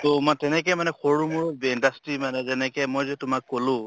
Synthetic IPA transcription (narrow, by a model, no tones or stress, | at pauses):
tomatɛnɛk̬ɛmanɛxoɹumuɹɔbɛndastimanɛzɛnɛkɛmojzɛtʊmakːolʊ̃